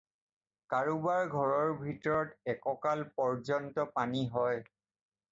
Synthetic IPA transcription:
kaɹubaɹɡʱɔɹɔɹbʱitɔɹɔtɛkɔkalpɔɹzɔntɔpaniɦɔj

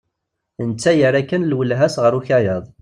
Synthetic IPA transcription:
ənt͡sːæjəɾækːənlwəlɦæsʁəɾuçæjəðˤ

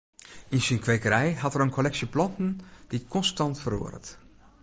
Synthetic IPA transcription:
insinkʋejkərɛjɦatəɾənkʰolɛksjəplɔntn̩d̥ikʰɔnstɑntfəro̰ərə̰t

